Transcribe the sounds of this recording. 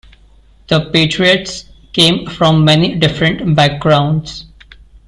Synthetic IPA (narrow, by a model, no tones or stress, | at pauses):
d̪̥əpeːʈɾiəʈskẽːmfɾɔ̃mːɛniɖɪfɾə̃ɳʈbæk̚ɡɾãʊ̃ɳɖs